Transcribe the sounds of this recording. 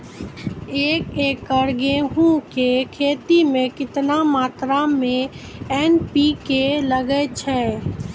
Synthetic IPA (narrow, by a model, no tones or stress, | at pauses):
eːkeːkːəɾɡeɦũkekʰeːt̪imẽkɪt̪namaːt̪ɾamẽɛːnpikeləɡət͡ʃʰɛ